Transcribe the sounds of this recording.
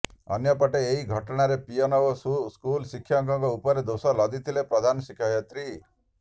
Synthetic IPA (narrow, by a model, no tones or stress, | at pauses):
ɔ̰njɔpɔʈeːɦiɡʱɔʈɔɽ̃aɾepijɔnɔwɔsskulsikʰːjaŋkɔŋkɔupɔɾed̪osɔlɔd̪it̪ʰilepɾɔd̪ʱanɔsikʰaɦjɔt̪ɾi